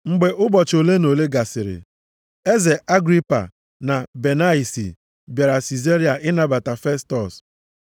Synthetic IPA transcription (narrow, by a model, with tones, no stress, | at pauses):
ŋ͡m̩˨ɡ͡be˨ʔʊ˦bɔ˨t͡ʃo˨le˦no˨le˦ɡa˨sɪ˨ɾɪ̰˨ | e˦ze˨ʔa˦ɡɾi˦pa̰˨ | na˨be˨na˦i˨sḭ˨ | bja˨ɾa˨si˨ze˦ɾi˨˦a˨ʔɪ˦na˨ba˨ta˨fe˦stɔ˨s